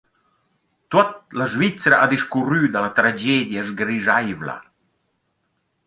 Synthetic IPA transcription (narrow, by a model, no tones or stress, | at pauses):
t̪ɔt̪̚laʒvit͡sɾaʔad̪iʃkuryd̪alat̪ɾad͡ʒed̪jazɡɾiʒajvla̰